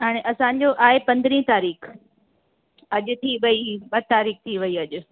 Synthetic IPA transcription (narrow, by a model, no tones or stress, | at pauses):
ɦaːɽ̃eʔɐsãːɲ̆d͡ʑoʔaːepɐ̃nd̪ɾĩt̪aːɾiːx | ɐʄʊ̆t̪ʰiʋɐiɓɐt̪aːɾiːxt̪ʰiʋɐiɐʄʊ̆